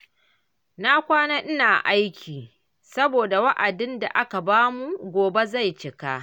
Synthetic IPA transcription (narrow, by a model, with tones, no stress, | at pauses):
na˦kʷaː˦naː˦ʔɪ˦naː˨ʔa˦jkʲʰiː˨ | sɐ˦boː˨da˨wɐ˦ʔa˨dɪ˦nda̰˨ʔa˦ka˨baː˦mu˦ɡʷoː˨be˦za˦˨jt͡ʃɪ˨ka˦ʔ